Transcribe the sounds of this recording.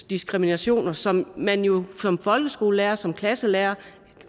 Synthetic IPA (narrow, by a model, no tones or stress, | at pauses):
d̥isɡ̥ʁiminæɕo̝̰ːnɐsɒ̽mːænjo̝sɒ̽mfɒ̽lɡ̥əsɡ̥o̝ːləleːɐsɒ̽mkʰlæsəleːɐ